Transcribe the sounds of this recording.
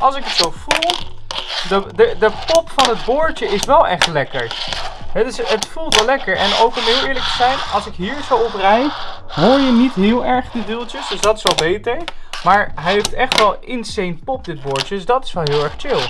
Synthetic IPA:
ʔɑlˠsɪkətsowv̥ulˠ | dədədəpɔpfɑnɦədboːɹt͡ʃəɪsʋɛlˠʔɛχtlɛkə̰ɹɦɛdøsətfulˠtʋɛlɛkəɹɛnowkənɦɪːlˠɪːɹlək̚təz̥ɛjnɑlˠsɪkɦiːɹzowɔprɛj | ɦʊːɹjənitɦɪːlˠɛɹχdədilˠtəsdøsdɑtɪsɛlˠbetejmaːɹɦɛjɦeftɛχtʋɛlˠɪnsejnpɔp̚dɪt̚boːɹt͡ʃədsdɑtɪ̥sʋɛlˠɦɪːlˠɛɹχt͡ʃɪlˠ

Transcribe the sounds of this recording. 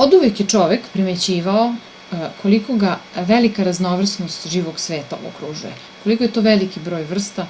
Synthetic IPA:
od̪uʋekjet͡ʂo̞ʋekpɾimet͡ɕiːʋao | kʰo̞liko̞ɡaʋelikaɾaznoʋr̩snost̪ʒiːʋo̞ɡsʋeːt̪ao̰kɾuʒuje | ko̞likojet̪o̞ʋelikibɾo̞ːjʋr̩st̪a

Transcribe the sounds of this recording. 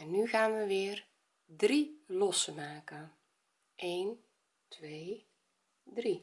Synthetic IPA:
ɛnːyɣaːnʋəʋɪːər | drilɔsəmaːkən | ʔeːn | tʋeː | dri

